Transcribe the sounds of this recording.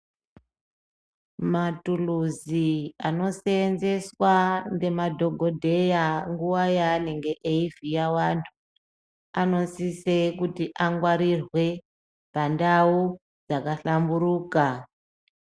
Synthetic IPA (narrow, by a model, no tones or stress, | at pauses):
matuluziano̞seːnze̞swande̞madʱo̞ɡʱo̞dʱe̞jaŋɡuwajaneŋɡe̞ʔeivijawantʰu | ano̞nsisekutiʔaŋɡwaɾirwe̞ | pandau | d͡zakaɬamburuːka